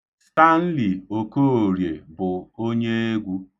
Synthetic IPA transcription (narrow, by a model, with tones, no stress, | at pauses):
sta˦n̩˦li˨o˨ko˦o˨ɾje˨bʊ˨o˦ɲe˦e˦ɡʷu˦